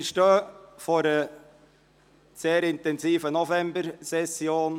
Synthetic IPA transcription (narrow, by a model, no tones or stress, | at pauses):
ʃtœːfɔɾə | seːɾɪntɛnsiːfənɔfɛmbəɾsɛsjoːn